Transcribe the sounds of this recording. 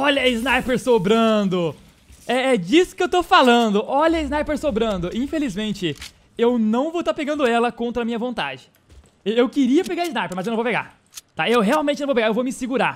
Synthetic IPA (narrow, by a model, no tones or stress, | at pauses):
ɔʎɐiznajpeɾsobɾɐ̃d̪ʊ | ɛɛd͡ʒisʊ̥kɪewt̪ofalɐ̃d̪ʊʔɔʎɐɪznajpeɾsobɾɐ̃nd̪ʊĩfelizmẽnt͡ʃɪ | ewnɐ̃w̃vowt̪aɾpeɡɐ̃nd̪ʊɛlɐkõnt̪ɾɐmĩɲɐvõnt̪a̰d͡ʒɪ̥ | ewewkɪɾiɐpeɡaɾɪznajpeɾmɐzewnɐ̃vowpeɡa̰ɾ | t̪aewɦeawmẽnt͡ʃɪnɐ̃vowpeɡaewvomɪsiɡuɾa